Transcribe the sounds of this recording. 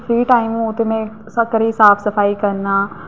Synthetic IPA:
fʰɾiːʈaːimoːt̪eːmɛ̃ː | səkəɾiːsaːpʰsəpʰaːiːkəɾnaː

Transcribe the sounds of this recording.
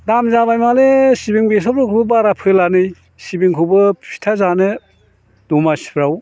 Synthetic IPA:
damzabajmalesibiŋbes̬ɔpɾɔkʰubbaɾapʰɯlanɯj | sibiŋkʰubɯpʰi̥tʰazanɯ | dumasi̥pʰɾaw

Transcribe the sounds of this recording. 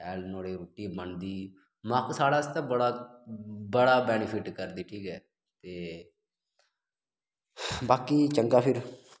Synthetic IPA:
ɛːlnoːɽeːɾuːʈiːbənd̪iː | maksaːɽaːst̪ãːbəɽa | bəɽaːbɛːnɪpʰɪʈkəɾd̪iːʈʰiːkɛː | t̪eː | baːkiːt͡ʃəŋɡaːpʰɪɾ

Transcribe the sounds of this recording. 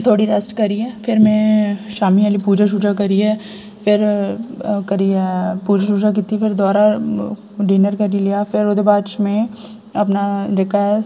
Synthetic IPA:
t̪ʰoːɽiɾɛsʈkɐɾiɛːpʰɪɾmɛ̃ʃaːmialipuːd͡ʒaʃ̬uːd͡ʒakɐɾiɛː | pʰɪɾ | kɐɾiɛpuːd͡ʒaʃuːd͡ʒak̬it̪ifɪɾd̪ɔːɾa | ɖiːnəɾkɐɾilijafʰɪɾod̪ebaːʃmẽ | ɐpnad͡ʒekaɦɛ

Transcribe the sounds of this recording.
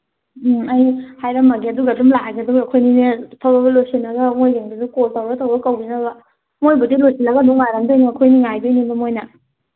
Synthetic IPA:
ajhajɾɐmːɐɡiɐduɡadumlaɡɐduɡɐkʰojninetʰawbɐbɐlosinɐɡamojɡeŋdidukoltawɾatawɾɐkawbinɐbɐ | mojbudilojsinɐɡaduŋajɾamdajniɐkʰojniŋajbinibɐmojnɐ

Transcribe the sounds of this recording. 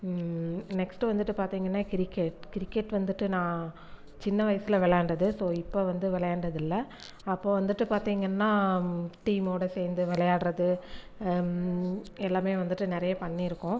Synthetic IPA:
nɛksʈɯʋɐnd̪ɯʈːɯpaːɾt̪iːŋɡɐnːaːkɪɾɪkːeʈkɪɾɪkːeʈʋɐnd̪ɯʈːɯnãː | t͡ʃɪnːɐʋɐjɐsɪlɐʋɛɭɐjaːɳɖɐðɯsoːɪpːoʋɐnd̪ɯʋɛɭɐjaːɳɖɐðɪlːɐ | ɐpːoːʋɐnd̪ɯʈːɯpaːɾt̪iːŋɡɐnːaːʈiːmoːɽɐseːnd̪ɯʋɛɭɐjaːɽɾɐðɯ | ɛlːaːmeːʋɐnd̪ɯʈːɯnɛɾɐjɐpɐɳːiɪɾɯkːʊ̃

